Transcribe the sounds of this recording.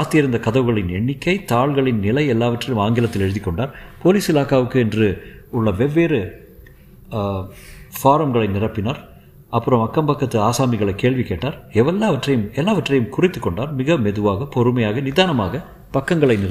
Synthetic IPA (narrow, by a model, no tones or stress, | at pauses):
aːst̪ɪjɐɾɯnd̪ɐkɐðɐʋɯɣɐɭɪnɛɳːɪkːɐɪt̪aːɭɣɐɭɪnːɪlɐɪɛlːaːʋɐʈrɐjɯmaːŋɡɪlɐt̪ːɪlɛɻɯðɪkːɔɳɖaːɾpoːliːsɪlaːkaːʋɯkːɯɛndrɯʊɭːɐʋɛʋeːɾɯ | faːɾɐmɡɐɭɐɪnɪrɐpːɪnaːɾ | ɐpːɯɾɐmɐkːɐmbɐkːɐt̪ːɯaːsaːmɪɣɐɭɐɪkːeːɭʋɪkeːʈːaːɾɛʋɛlːaːʋɐʈrɐjɯmɛlːaːʋɐʈrɐjɯmkʊrɪt̪ːɯkːɔɳɖaːɾmɪɣɐmɛðɯʋaːɣɐpɔɾɯmɐjaːɣɐnɪðaːnɐmaːɣɐ | pɐkːɐŋɡɐɭɐɪnɪr